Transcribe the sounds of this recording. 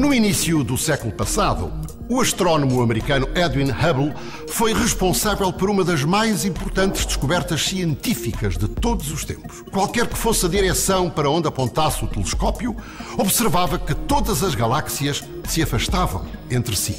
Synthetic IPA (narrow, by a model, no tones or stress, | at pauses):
nuinisjuðusɛkulˠupɐsaðṵː | ɐʃt̪ɾɔnumuɐmɨɾikɐnuʔɛðwĩnhɐβlˠ | fojʁɨʃpõsavɛlˠpɔɾumɐðɐʒmajzĩmpuɾt̪ɐ̃nt̪ɨʒd̪ɨʃkuβɛɾt̪ɐʃsiẽnt̪ifikɐʒðɨt̪oðuzuʃt̪ḛ̃mpu̥ʃkwalˠkɛɾkɨ̥fosɐðiɾɛsɐ̃w̃pɐɾɐõnd̪ɐpõnt̪asut̪ɨlˠɨʃkɔpju | ɔβsɨɾvavɐkɨt̪oðɐzɐʒɣɐlˠaksiɐʃ | sɨɐfɐʃt̪avɐ̰̃w̃ẽnt̪ɾɨsḭ